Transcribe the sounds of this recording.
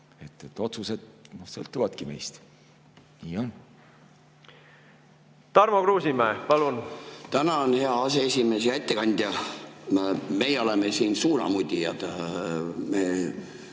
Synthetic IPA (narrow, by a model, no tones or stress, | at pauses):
e̞t̪ːˑet̪ːˑo̞t̪suse̞d̪̥nosɤ̰lt̪ˑːuvɑd̪̥kime̞̰jst̪ | niːon | t̪ɑrmokruːsimæːpɑlunt̪ænɑonhe̞ɑɑseesʲime̞s̬ejɑet̪ːe̞kɑnʲd̪̥ʲjɑ | me̞jeo̞lemesiːnsuːɾɑ̰mud̪ʲijɑd̪̥ | meː